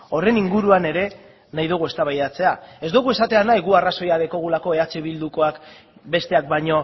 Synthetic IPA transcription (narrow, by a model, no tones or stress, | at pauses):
o̞re̞niŋɡuɾuane̞ɾe̞ | najðuɣue̞st̪aβajðat͡se̞ae̞zd̪uɣ̞ue̞sat̪e̞anajɣuaraso̞jaðeko̞ɣ̞ulako̞e̞at͡seβild̪uko̞ak | be̞st̪e̞ak̚baɲo̞